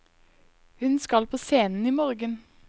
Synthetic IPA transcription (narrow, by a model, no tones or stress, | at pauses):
hʉnskɑlpʰoːseːnn̩iːmoːʁɡən